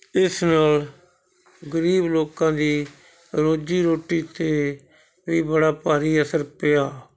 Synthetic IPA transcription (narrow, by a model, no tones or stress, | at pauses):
ɪsnaːl | ɡəɾiːbloːkãːd̪iː | ɾoːd͡ʒiːɾoːʈiːt̪eː | ʋiːbəɽaːpaːɾiːəsəɾpɪjaː